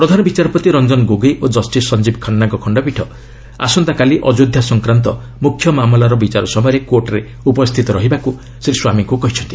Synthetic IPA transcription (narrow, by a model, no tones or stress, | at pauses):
pɾɔd̪ʱanɔbit͡ʃaɾɔpɾɔt̪iɾɔnd͡ʒɔnɡoɡejʔod͡ʒɔsʈisɔnd͡ʒibkʰɔnːaŋkɔkʰɔɳɖɔpiʈʰɔ | a̰sɔnt̪akaliʔɔd͡ʒod̪ʱjasɔŋkɾant̪ɔ | mukʰːjɔmamlaɾɔbit͡ʃaɾɔsɔmɔjɾekoɾʈɔɾe | upɔst̪ʰit̪ɔɾɔɦibaku | seɾiswamiŋkukɔɦit͡ʃʰɔnt̪i